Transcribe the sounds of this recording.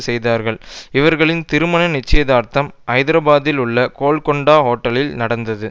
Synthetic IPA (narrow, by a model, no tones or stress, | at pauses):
sɛjðaːɾɣɐɭɪʋɐɾɣɐɭɪnt̪ɪɾɯmɐnɐnɪt͡ʃːɐjɐðaːɾt̪ɐmʔɐɪðɪɾɐbaːðɪlʊɭːɐkoːɭkɔɳɖaːɦoːʈːɐlɪlnɐɽɐnd̪ɐðɯ